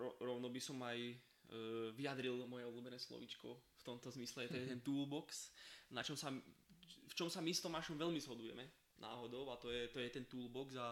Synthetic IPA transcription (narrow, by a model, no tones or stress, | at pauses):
ɔɾɔʊnɔbisɔmaj | ʋiad̪ɾilmɔjɛɔbluːbɛnɛːslɔ̰ʋit͡ʃkɔ̰ft̪ɔmt̪ɔzmislɛɛt̪ɔjɛt̪ɛnt̪uːlbɔksnat͡ʃɔmsa | ft͡ʃɔmsamist̪ɔmaʃɔmʋɛlmizɦɔd̪ujɛ̰mɛ | nʔa̰ːɦɔd̪ɔʊat̪ɔjɛt̪ɔjɛt̪ɛnt̪uːlbɔɡza